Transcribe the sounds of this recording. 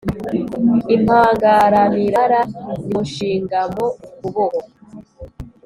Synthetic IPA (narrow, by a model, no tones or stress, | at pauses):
im̥haːŋɡaɾaniɾaɾaniʃiːŋɡamokuβoho